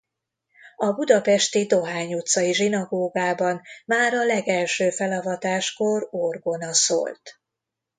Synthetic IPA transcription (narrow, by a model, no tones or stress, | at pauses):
ɒbud̪ɒpɛʃt̪id̪o̞ɦaːɲut̪sɒiʒinɒɡoːɡaːbɒnmaːɾɒlɛɡɛlʃøːfɛlɒvɒt̪aːʃko̞rorɡo̞nɒso̰ːlt̪